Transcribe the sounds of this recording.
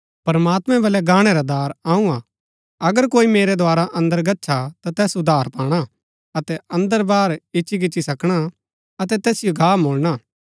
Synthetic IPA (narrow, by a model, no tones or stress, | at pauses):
pɐɾmaːt̪mɛ̃bɐlɛɡaːɽ̃ɛɾad̪aːɾaːũa | ɐɡəɾkoːimeːɾɛd̪oaːɾaʔɐ̃nd̪əɾɡɐtːʃʰat̪at̪ɛːsʊd̪ʱaːɾpaːɽ̃a | ɐt̪ɛɐ̃nd̪əɾbaːɾɪʃik̬ɪːt͡ʃːisɐkɽ̃a | ɐt̪ɛt̪ɛːsɪjoɡʱaːmoːlña